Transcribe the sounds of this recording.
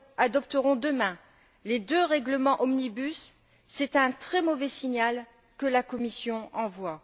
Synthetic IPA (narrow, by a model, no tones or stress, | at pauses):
ad̪ɔp̚t̪əʁɔ̃d̪əmɛ̃ | led̪øʁɛɡləmɑ̃ʔɔmnibysː | ɛt̪ɛ̃t̪χɛmɔvɛsiɲal | kəlakɔmisjɔ̃ɑ̃vwa